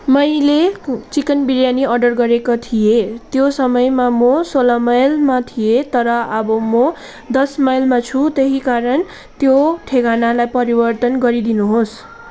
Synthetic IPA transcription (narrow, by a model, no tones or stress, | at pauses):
mʌjlet͡sikʌnbiɾjaniʌrɖʌrɡʌɾekot̪ʰijet̪josʌmʌjmamosolamʌjlmat̪ʰijet̪ʌɾʌʌbʌmʌ | d̪ʌsmajlmat͡sʰut̪eɦikaɾʌn | t̪joʈʰeɡanalajpʌɾibʌrt̪ʌnɡʌɾid̪inuɦos